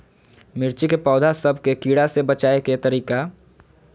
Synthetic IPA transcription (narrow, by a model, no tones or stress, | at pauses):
mɪɾt͡ʃikepɔːd̪ʱasɐbʱkekiːɽasebɐt͡ʃaːeket̪ɐɾiːka